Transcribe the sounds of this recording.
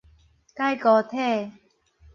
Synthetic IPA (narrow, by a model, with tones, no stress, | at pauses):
ka˥˨jkɔ˧t̪ʰɛ˥˧˨